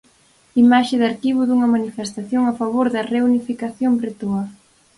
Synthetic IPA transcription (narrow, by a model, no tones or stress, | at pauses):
imaʃɪðaɾkiβʊðuŋɐmanifest̪aθjoŋafaβ̞oɾðɐreunifikaθjombɾet̪uɐ